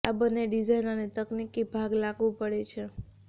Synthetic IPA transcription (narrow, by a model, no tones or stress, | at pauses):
abənːeɖid͡ʒajnənet̪əknikibʱaɡlaɡʋũpəɽet͡ʃʰe